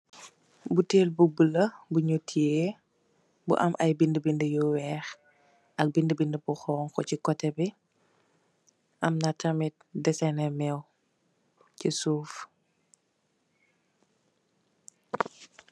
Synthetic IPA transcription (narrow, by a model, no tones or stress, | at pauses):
buteːlbubələbuɲutʰːie | bṵʔɐ̰mʔɐjbindəbindəjɔwɛːx | ɐk̚bindəbindəbuxɔːŋkɔcikɔtɛbi | ʔɐmnatɐmit̚dɛsɛnɛmɛw | cisuːf